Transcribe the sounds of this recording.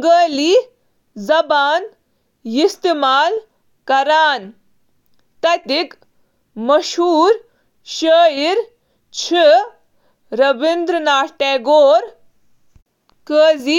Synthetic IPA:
ɡəːliː | zɐbaːn | jist̪imaːl | kɐɾaːn | t̪ɐt̪ik | mɐʃɦuːɾ | ʃəːjiɾ | t͡ʃʰi | ɾɐbind̪ɾənaːʈeːɡoːɾ | kəːziː

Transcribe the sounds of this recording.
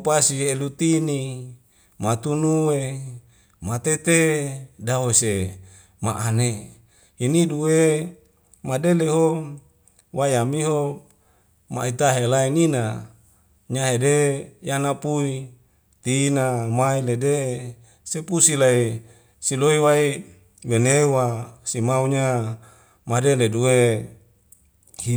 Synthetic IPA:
pasielut̪ini | mat̪unuwe | mat̪et̪edaose | maʔane | hiniduwe | madeleɦo | wajamiɦo | ma̰it̪aɦelainina | ɲaɦedejanapui | t̪iːnamailede | sepusilai | siloiwai | wenewasimauɲa | madeleduwe | hi

